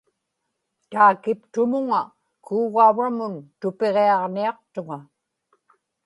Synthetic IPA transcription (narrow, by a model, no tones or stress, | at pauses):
t̪aːkɪpt̪ʊmʊŋa | kʰuːɣauvamʊnt̪ʊpe̞ʁeɑʁniɑq̚t̪ʊŋa